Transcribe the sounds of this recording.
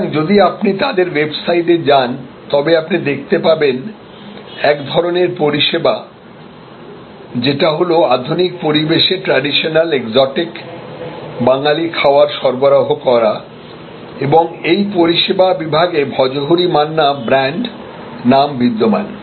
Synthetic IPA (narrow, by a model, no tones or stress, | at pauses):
ŋd͡ʑod̪iapnit̪ad̪eɾwebsaiʈed͡ʑan | t̪ɔbeapnid̪ek̚ʰt̪epaben | ɛkd̪ʱɔɾoneɾpoɾiʃeba | d͡ʑeʈaɦoload̪ʱunik̚poɾibeʃeʈɾaɖiʃonalekzɔʈik | baŋalikʰaoaɾʃɔɾboɾaɦokɔɾa | eboŋejpoɾiʃebabibʱaɡebʱɔd͡ʑoɦoɾimanːabɾɛɳɖ | nambid̪ːoma̰n